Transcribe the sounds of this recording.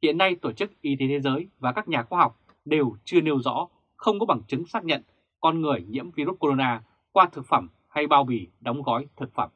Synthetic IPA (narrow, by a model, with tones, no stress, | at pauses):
hḭ˧˨ənːa˧jt̪o˧˩t͡ɕɨ˦˥k̚ʔi˨˦t̪e˨˦t̪ʰe˨˦zəː˨˦jvaː˨˩kaː˦˥k̚ɲaː˨˩xwaː˧ɦa˨˩wk͡p̚ | ɗe˨˩wt͡ɕɨ˧əne˧wzɔ̰˧˥ | xə˧wŋ͡mkɔ˨˦ɓa˧˩ŋt͡ɕɨ˨˦ŋsaː˦˥k̚ɲə̰˧˨n | kɔ˧nŋɨ˨˩əjɲḭ˧˥əmvi˧ɾu˦˥t̚ko˧o˧naː˧ | kwaː˧t̪ʰɨ˨˩k̚fə˧˩m | ha˧jɓaː˧wɓi˧˩ɗa˨˦wŋ͡mɣɔ˨˦jt̪ʰɨ˨˩k̚fə˧˩m